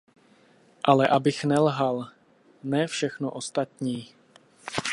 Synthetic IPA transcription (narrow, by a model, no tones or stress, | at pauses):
ʔalɛʔabɪxnɛlɦal | nɛːfʃɛxnoʔost̪at̪ɲiː